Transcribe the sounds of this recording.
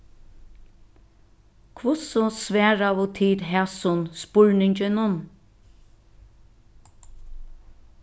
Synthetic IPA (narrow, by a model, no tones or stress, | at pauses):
kʰvʊsɔsvɛːɹavʊt̪ʰiːd̪ɦɛsʊnspʊɹnɪɲt͡ʃɪnʊn